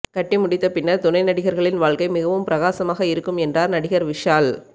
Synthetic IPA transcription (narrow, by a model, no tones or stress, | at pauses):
kɐʈːɪmʊɽɪt̪ːɐpɪnːɐɾt̪ʊnɐɪnɐɽɪɣɐɾɣɐɭɪnʋaːɭkɐɪmɪɣɐʋɯmpɪɾɐɣaːsɐmaːɣɐɪɾɯkːɯmɛndraːɾnɐɽɪɣɐɾʋɪʂaːl